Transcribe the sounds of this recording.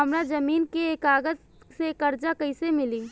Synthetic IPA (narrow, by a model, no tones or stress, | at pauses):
ɦɐmɾad͡ʒɐmiːnkeːkaːɡət̪ | sekɐɾd͡ʒakɐɪsemɪliː